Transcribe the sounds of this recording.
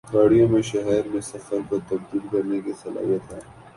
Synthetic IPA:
ɡaːɽijõmẽʃɐɦɛːɪɾmẽsɐfəɾkɐɾt̪ɐb̚d̪iːlkɐɾnekisɐla̰ːɦijət̪ɦɛː

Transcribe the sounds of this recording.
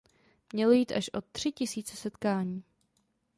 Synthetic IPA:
mɲɛlojiːt̪ʔaʃʔo̞t̪ːr̝̥ɪcɪsiːt͡sɛsɛt̪kaːɲiː

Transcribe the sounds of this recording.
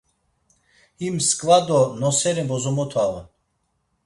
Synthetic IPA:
imskʼvad̪ɔnɔsɛɾɛbɔzɔmɔt̪ʰava

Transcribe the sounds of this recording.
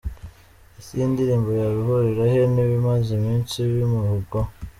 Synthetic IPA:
isindiɾiːmbojaβihoɾeɾaheniβimazimiːnsiβimuɾuɡo

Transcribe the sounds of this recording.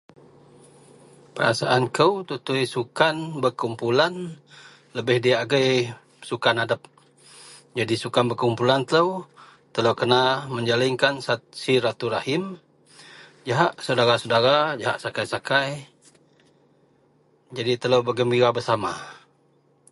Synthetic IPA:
pəɾa̰sa̰ʔankəwt̪ut̪ʊjsukanbərkumpulan | ləbɪhdiaːɡəj | sukanadap̚ | d͡ʒadisukanbəkumpulant̪ələw | t̪ələwkənaməɲd͡ʒalɪŋkansat̪siɾat̪uɾahɪm | d͡ʒaɦaʔsədaɾasədaɾad͡ʒaɦa̰ʔsakajsakaj | d͡ʒadit̪ələwbəɡəmbiɾabərsama̰

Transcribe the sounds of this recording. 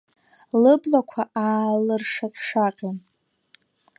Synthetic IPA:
lɨblakʷʰaaːlɨrʂaqʲʼʂaqʲʼi

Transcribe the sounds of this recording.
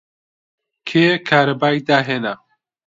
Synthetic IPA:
kʰeːkʰaːɾɐbaːjd̪aːɦeːna

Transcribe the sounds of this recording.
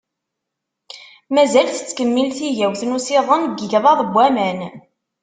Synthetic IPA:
mæzælθə̥t͡sːkəmːilθiʝæwθnusɪðˤənɡəʝðˤɑðˤəbʷːæmæn

